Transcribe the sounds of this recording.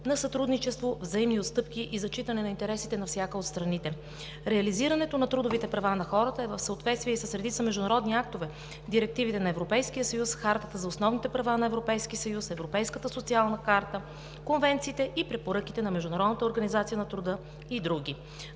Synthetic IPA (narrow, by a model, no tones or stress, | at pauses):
nɐsɐt̪ɾud̪nit͡ʃɛst̪vovzɐimniot̪st̪ɤpk̟ʲiʔizɐt͡ʃit̪ɐnɛnɐint̪ɛɾɛsit̪ɛnɐfsʲjakəot̪st̪ɾɐnit̪ɛ | ɾɛɐliziɾɐnɛt̪onɐt̪ɾud̪ʊvit̪ɛpɾɐvanɐxɔɾət̪əɛvəfsəot̪vɛt̪st̪viɛisəsɾɛd̪it̪səmɛʒd̪ʊnɐɾɔd̪niak̚t̪ovɛ | d̪iɾɛk̚t̪ivit̪ɛnɐɛvɾopɛjskijəsɐjusxaɾt̪ət̪əzɐosnɔvnit̪ɛpɾɐvanɐɛvɾopɛjskisɐjusɛvɾopɛjskət̪əsot̪sialˠnəkaɾt̪ə | konvɛnt̪siːt̪ɛʔipɾɛpoɾɤkit̪ɛnɐmɛʒd̪ʊnɐɾɔd̪nət̪əoɾɡɐnizat̪sijənɐt̪ɾud̪ɤ | id̪ɾuɡ̟i